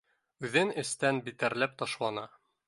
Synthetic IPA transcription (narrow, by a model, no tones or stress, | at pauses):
ʉðɘnɘ̆st̪ænbit̪æɾlæp̚t̪ɒʃlˠɑnɑ